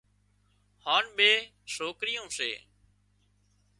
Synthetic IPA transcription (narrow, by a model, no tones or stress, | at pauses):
haːɳɓeː | ʃoːkɾɪjõːsḛː